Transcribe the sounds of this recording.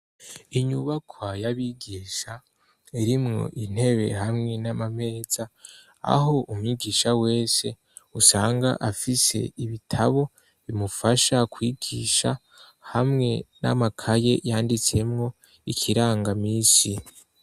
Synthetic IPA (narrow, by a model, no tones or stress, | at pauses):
iɲuβakʰwajaβiɡiːʃa | iɾimŋo̞̰ʔin̥he̞βe̞̰ɦamŋe̞namame̞ːza | a̰ɦo̞ʔumuɲiɡiːʃawe̞ːse̞ | usaːŋɡa̰ʔafise̞̰iβitʰaβo̞ | βimufaʃakwiːɡiʃa | hamŋe̞na̰makʰaje̞jaːndit͡se̞mŋo̞ | ikʰiɾaːŋɡamiːsi